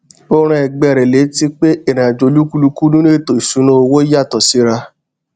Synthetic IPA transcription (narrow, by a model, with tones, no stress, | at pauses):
o˧ɾ̃ã˧ɛ˨ɡ͡bɛ˧˨ɾɛ˨le˨˦ti˧k͡pe˦e˦˨ɾã˨d͡ʒo˨lu˦ku˦lu˧ku˦nũ˦e˦˨to˨i˨su˨˦nɔ̃˦o˧wo˦i˦ja˦˨tɔ˨si˨˦ɾa˧